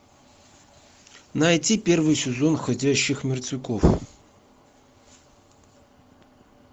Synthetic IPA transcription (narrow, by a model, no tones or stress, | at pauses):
nɐjtʲipʲe̞rvɨjsʲɪzo̞nxɐdʲæɕːɪxmʲɪrt̪vʲɪkof